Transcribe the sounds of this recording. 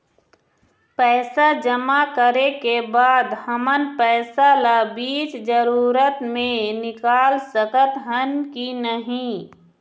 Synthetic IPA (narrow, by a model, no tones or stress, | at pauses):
pɛːsad͡ʒəmakəɾekebaːd̪həmənpɛːsalabiːt͡ʃd͡ʒəɾuːɾət̪mẽnɪkaːlsəkət̪ɦənkinəɦĩ